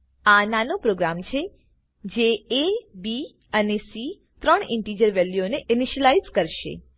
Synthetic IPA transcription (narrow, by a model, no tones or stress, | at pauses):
ananõpɾoɡɾamt͡ʃʰe | d͡ʒeebi | ənesi | t̪ɾəɳɪɳʈid͡ʒəɾʋɛljoneʔɪniʃəlaizkəɾʃḛ